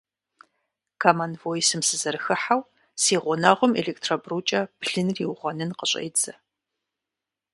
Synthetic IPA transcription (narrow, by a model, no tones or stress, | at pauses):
kʰamanvojisɨmsɨzɐrɨxɨħaw | siːʁʷɔnaʁʷʊmḛɮektʰrobruːt͡ʃʼɐb̥ɮɨnriwʁʷɐnɨnqəɕʼɐ̰jt͡sɐ